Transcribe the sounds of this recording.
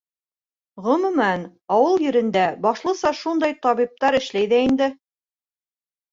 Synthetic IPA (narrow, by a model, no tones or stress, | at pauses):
ʁɵ̆mɵ̆mæn | ɑwɤlˠjɘ̆ɾɘ̆nd̪æbɑʃlˠɤ̆sɑʃund̪ɑjt̪ɑβip̚t̪ɑɾɘ̆ʃlæjðæind̪ɘ